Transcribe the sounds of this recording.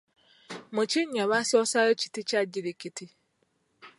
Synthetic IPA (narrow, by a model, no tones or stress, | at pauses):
mʊt͡ʃɪɲaβasɔsaɾet͡ʃi̥tɪt͡ʃad͡ʒiɾikiti